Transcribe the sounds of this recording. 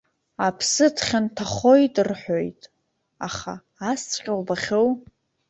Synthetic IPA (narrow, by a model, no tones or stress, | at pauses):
apʰsɨtʰχʲantʰaχo̞jtʼrħʷojtʼ | aχa̰ː | st͡sʷʼqʲʼɪlbaχʲow